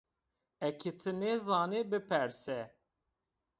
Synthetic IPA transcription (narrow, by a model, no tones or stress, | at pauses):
ɛkʰit̪ʰɨnezɑːnebɨpʰɛɾsɛ